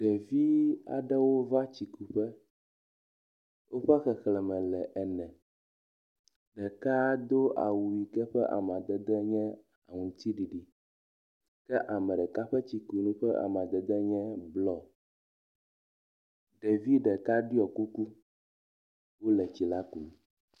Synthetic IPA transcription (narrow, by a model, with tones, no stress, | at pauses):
ɖ̥ɛ˨vi˦a̰˨ɖɛ˦wo˦va˦t͡ɕi˨ku˨ɸɛ˦ | wʔo˦ɸɛ˦xɛ˨xlɛ˨mɛ̃˨lɛ˨ʔɛ˨nɛ̃˨ | ɖɛ˨ka˦d̪o˦ʔa̰˨wu˨i˨kɛ˦ɸɛ˦ʔa̰˨m˨ã˨d̪ɛ˨d̪ɛ˦ɲɛ̃˦ | a̰˨ŋũ˨t̪i˦ɖi˨ɖi˨ | kɛ˦ʔa˨mɛ̃˨ɖɛ˨ka˦ɸɛ˦t͡ɕi˨ku˨nũ˦ɸɛ˦ʔa̰˨m˨ã˨d̪ɛ˨d̪ɛ˦ɲɛ̃˦blɔ˦ | ɖe˨vi˦ɖɛ˨ka˦ɖi˦ɔ˨ku˦ku˦ | wo˦lɛ˨t͡ɕi˨la˦ku˨